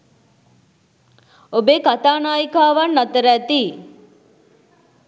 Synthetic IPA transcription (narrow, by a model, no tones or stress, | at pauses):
obekat̪aːnaːjikaːʋanːat̪əɾæt̪i